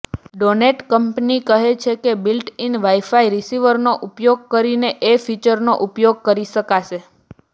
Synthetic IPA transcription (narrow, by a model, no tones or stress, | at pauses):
ɖoneʈkəmpnikəɦet͡ʃʰekebilʈinʋaifaiɾisiʋəɾnoʔupjoɡ̚kəɾineʔefit͡ʃəɾnoʔupjoɡ̚kəɾiʃəkaʃe